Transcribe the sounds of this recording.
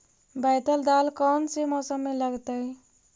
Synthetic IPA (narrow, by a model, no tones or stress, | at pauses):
bajt̪əld̪alkɔnsemɔsəmːeləɡt̪əj